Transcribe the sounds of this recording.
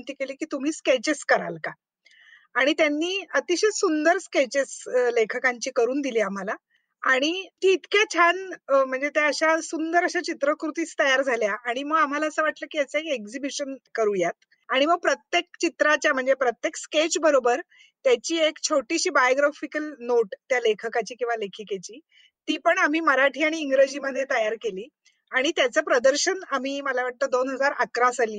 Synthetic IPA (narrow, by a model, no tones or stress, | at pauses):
nt̪iːkeliːkiːt̪um̤iːsket͡ɕeskəɾa̰lka | aɽ̃it̪janːiːət̪iɕesund̪əɾsket͡ɕeslekʰəkaɲt͡ɕiːkəɾuːnd̪iliːam̤ala | aɽ̃it̪iːt̪ket͡ɕʰanm̤əɳd͡zet̪eəɕasund̪əɾəɕat͡ɕit̪ɾəkɾut̪iːt͡st̪əjaɾd͡zʱaljaʔaɽ̃iməɡam̤alaəsəːʋaʈləːkiːəsekekd͡zibiɕənkəɾujat̪̚ | aɽ̃iməɡ̚pɾət̪jek̚t͡ɕit̪ɾat͡ɕjam̤əɳd͡zepɾət̪jeksket͡ɕbəɾobəɾ | t̪jat͡ɕiːekt͡ɕʰoʈiɕiːbajoɡɾafikəlnoʈt̪jalekʰəkat͡ɕiːkĩw̃ʋalekʰəket͡ɕiː | t̪iːpəɳam̤iːməɾaʈʰiːaɽ̃iːŋɡɾəd͡ʑiːməd̪ʱːjet̪əjaɾkeliː | aɽ̃it̪jat͡səpɾəd̪əɾɕənam̤iːməlaʋaʈ̚t̪əːd̪onɦəd͡zaɾəkɾasaliː